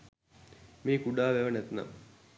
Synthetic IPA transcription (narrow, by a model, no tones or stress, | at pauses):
miːkuɖaːʋeʋɐnɛt̪na̰m